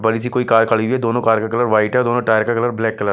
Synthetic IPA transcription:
bɐɽisikoːikaːɾkʰɐɭiʋiɛd̪oːnõkaːɾkakɐləɾʋaːɪʈɦɛd̪oːnõʈaːjɾkakɐləɾblɛːkːɐləɾ

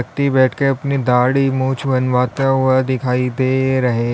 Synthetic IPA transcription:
ək̚t̪ibɛːʈʰkeɐpnid̪aːɽimũːt͡ʃʰbɐnʋaːt̪eʋəd̪ɪkʰaːid̪eːɾɐɦe

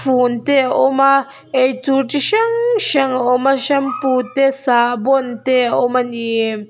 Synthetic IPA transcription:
funt̪eoma | etuʈ͡ʂiʃaŋʃaŋomaʃamput̪esabont̪eomanie

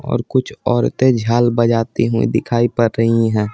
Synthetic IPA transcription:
ɔ̰ːɾkʊt͡ʃʰɔːɾt̪ẽd͡ʒʱaːlbəd͡ʒaːt̪iɦuḭ̃d̪ɪkʰaːipɐɾːəɦiɦɛ̃ː

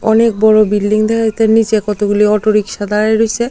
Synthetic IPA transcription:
ɔnek̚bɔɾobilːiŋd̪ɛkʰat̪aɾnid͡ʑekɔt̪oɡuliɔʈoɾikʃad̪aɾajɾojt͡ɕʰe

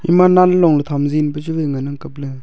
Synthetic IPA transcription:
ʔḭmananllɔŋlət̪ʰamzinbət͡ʃuləŋənaŋkəp̚lə

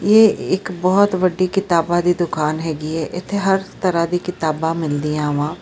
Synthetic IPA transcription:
jeːɪkbɔːɔt̪ʋəɖikɪt̪aːbad̪iːd̪ʊkʰaːnɦɛːɡiɦɛːʔɪt̪ʰːeɦɐɾt̪əɾad̪iːkɪt̪aːbãmɪld̪ijãːʊʋãː

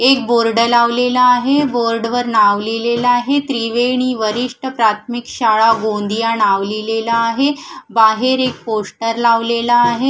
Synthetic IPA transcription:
ek̚boɾɖəlaʋlelaːɦeboɾɖʋəɾɳaʋlilelaːɦet̪ɾiʋeɳ̃iʋəɾiʂʈəpɾat̪ʰmikɕaɭaɡond̪ijaɳaʋlilelaːɦebaɦeɾek̚posʈəɾlaʋlelaːɦe

